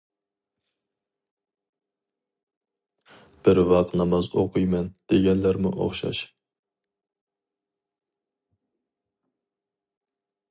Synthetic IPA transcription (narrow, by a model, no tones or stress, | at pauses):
b̥ɪɾvɑq̚t̪nɑmɑzoqujmɛnd̪̥eɡʲɛnlæɾmɪʔo̰χʃɑ̰ʃ